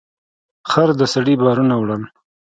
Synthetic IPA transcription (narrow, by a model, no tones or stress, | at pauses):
xaɾd̪əsaɽibɑːɾunawɽal